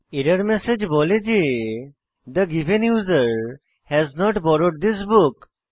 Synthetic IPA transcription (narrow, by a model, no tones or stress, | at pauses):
eɾəɾmɛsed͡ʒbɔled͡ʒe | d̪əɡivẽnjuzəɾ | hɛznɔʈbɔɾoɖ̚d̪is̬buk